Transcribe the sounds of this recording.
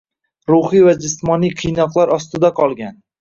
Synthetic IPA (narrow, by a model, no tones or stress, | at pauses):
ɾʊχivad͡ʒɪsmɒnijqʰɨjnɒqlˠaɾɒst̪ɪd̪aqʰɒlˠɡʲan